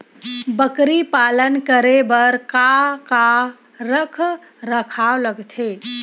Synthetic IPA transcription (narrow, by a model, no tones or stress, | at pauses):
bəkɾipalənkəɾebəɾkaka | ɾəkʰ | ɾəkʰaoləɡt̪ʰe